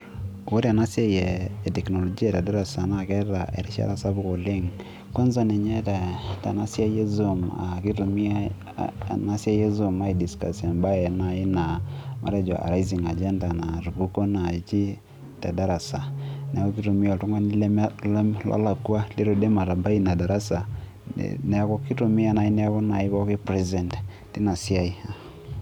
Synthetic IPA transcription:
o˦ɾi˦a˨na˦sja˦jɛː˨tɛ˨kno˨lɔ˨d͡ʒi˦a˦˨ta˨da˦ɾa˨sa˨na˨kɛ˦ta˨ʔe˨ɾi˦ʃa̰˦ɾa˦˨sa˦bu˦ko˨le˦ŋ | ko˦nza˦ne˨ɲe˦ta˨ta̰˨na˦sja˦je˦zo˨ma̰˨ki˦to˨mi˦a˦ | na˦sa˦je˦zu˨ma˨˦i˨di˨ska̰˨sa˨nba˦e˨na˦i˦na˨ma̰˨ɾa˦d͡ʒɔ̰˨ʔa̰˨ɾa˦i˦zi˨ŋa˨d͡ʒɛ˦nda˨na˨ɾu˨ku˦ko˦na˨t͡ʃi˦ | ta˨da˦ɾa˨sa˨n˨a˨ko˦ki˦to˨mi˦ɔ˨tu˦ŋwa˦ni˦lɛ˦m˦lla̰˦la˨kwa˦le˦ɾo˨de˦ma˨ɾa˨ba˦i˦na˨da˨ɾa˦sa̰˨ | nɛ˨a˦kɔ˦ki˦to˨mi˦a˨na˨˦i˦n˦a˦kɔ˦na˨i˦kɔ˦ke˦pɾɛ˦zɛ˨nt | ti˦na˨si˦a˦i˦a˨

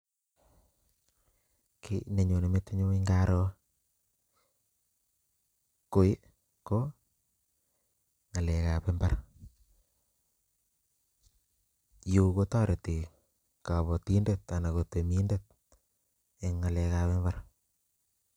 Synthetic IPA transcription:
kine˨ɲo˨ne˨me˦t̪ːe˦ɲo˦iŋɡaɾo˦ | ko˦j | ko | ŋa˨lɛkapembar | ju˦ko˦tɔ˦ɾe˨ti˨ | kaβɔ˨ti˦ndet̪ana˨kotemi˦ndet̪̚ | eŋːa˨lɛ˨kaβɛmbar

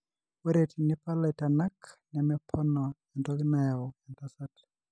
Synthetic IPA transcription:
wɛ˦ɾɛ˨tʰi˨ni˦pa˦lɛ˨tana˦knɛmɛpʰɔ˦nɔ˨ɛ˨ndɔ˦ɣina˦ja˨ɔ˨ɛ˨nta˦sat

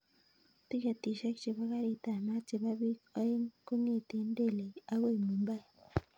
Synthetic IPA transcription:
t̪i˦ka˨t̪i˨ʃa˦kt͡ʃi˨βa˦ɣa˦ɾi˨ta˨ma˦t͡si˨βa˦βi˦a˦i˦ŋku˦ɲe˦˨t̪e˨˦n˦de˦˨le˨a˦we˦˨mu˨mba˦j

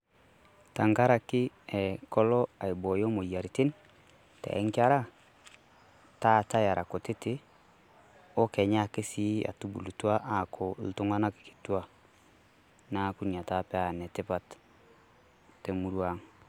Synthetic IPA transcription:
ta˨ŋɡa˦ɾa˨kɪ˦ | ɛ˨kɔ˦lɔ˦a˨i˨bo˨jo˦mo˨ja˨ɾi˨tɪ˦n | tɛ̰˨ɛ˦ŋkɪ˦a˦ɾa˦ | ta˦˨ta˦ja˨ɾʔa˨ko˨tɪ˦tɪ˦ | o˦kɛ˨ɲa˦kɪ˦si˦a̰˨tu˦bṵ˨lu˨tu˦a˦ʔa˨kʰɔ˨ltu˦ŋa˦na˦ki̥˨ki̥˨tu˦a˨ | na˦ku˦ni˨a˨ta˦pɛ˦a˨nɛ˨tɪ˦pa˦t | tɛ˨mu˨˦ɾwa˦ŋ

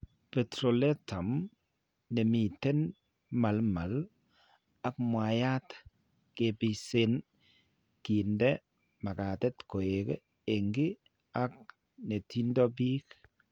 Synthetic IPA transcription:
pɛ˨tɾo˨lɛ˦ta˨m | ne˨mi˨tɛ˦n | ma˨lma˨l | a˨kmwa˨ja˦t | ke˨pɪ˨se˦n | ki˨ndɛ˦ | ma˨ka˨tɛ˦tko˨e˨ke˦ | e˨ŋɡi˦ | a˦k̚ | ne˨tʰi˦ndɔ˦bi˦k

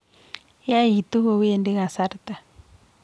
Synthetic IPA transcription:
ja˦i˨t̪u˦ho˧we˦e˨ndi˦ɣa˨sa˦ɾt̪a˨

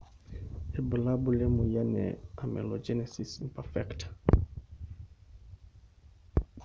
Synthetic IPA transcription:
e˨bə˨labu˦le˦mu˨ja˦nɛ̰amḛ˨lo˨d͡ʒɛ˦nesisimpɛfɛkt

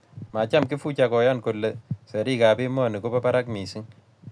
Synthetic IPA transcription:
ma˨t͡ʃa˦˨mki˦fu˦t͡ʃa˨kɔ˨ja˦nko˨lːe˨se˨ɾi˦ka˨pi˦mɔ˦˨ni˨ko˦pɔ˦pa˦ɾa˦kmi˨si˦ŋ

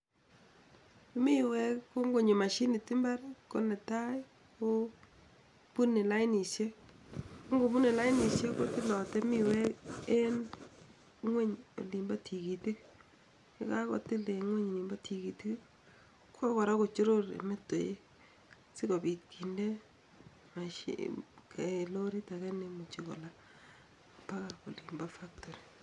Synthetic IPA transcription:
mi˦we˦kko˦ŋɡo˨ɲe˨ma˨ʃi˦nɪ˨tɪ˦mba˦ɾko˦nɛ˨ta˦j | ko˦ | pu˦ne˨la˦ɪ˦ni˨sje˦ | o˦ŋɡo˨bu˦ne˨la˦ɪ˦ni˨sje˦ko˦tɪ˦lɔ˨tɛ˦mi˨wɛ˦ke˦n | ŋwe˦ɲo̰˨li˨mba˦tʰi˨ki˨ti˦k | kɪ˦ka˦ko̰˨tɪ˦le˨ŋwe˦ɲ˨li˨mba˦tʰi˨ki˨tɪ˦k | kʰa˦kɔ˨ɾa˦ko˨t͡ʃo˦ɾo˦ɾḛ˨me˦to̰˨jḛ˦ | sɪ˦ko˨pi˨t̚kʰi˨nde˦ | ma˨ʃḭke˨lo˦ɾi˦ta˨kɛ˦nemu˨t͡ʃi˨ko̰˨la˦˨ | pa˦ka˨ko˨li˨mba˦fa˦k̚tɔ˨ɾi˨

